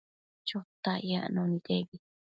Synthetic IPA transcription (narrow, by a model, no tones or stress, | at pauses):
t͡ʃot̪ajaʔnonid̪ebi